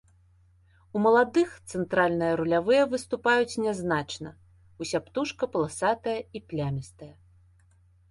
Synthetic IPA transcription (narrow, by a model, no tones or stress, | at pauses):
umɐlˠad̪ɨxt̪sɛnt̪ɾalʲnɨjɐɾulʲavɨjɐvɨst̪upajut͡sʲnʲɛznat͡ʂnɐ | usʲapt̪uʂkɐpɐlˠasat̪ɐjɐiplʲamʲist̪ɐjɐ